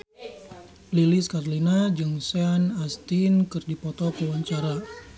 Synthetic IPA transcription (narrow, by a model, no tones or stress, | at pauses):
liliskarlinad͡ʒəŋsanast̪inkɨrdipɔt̪ɔkəwaɲt͡ʃaɾa